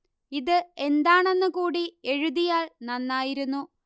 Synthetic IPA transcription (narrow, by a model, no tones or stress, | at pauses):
iðɨe̞nd̪aːɳe̞nːɨkuːɽie̞ɻuðijaːɭnɐnːaːjiɾunːu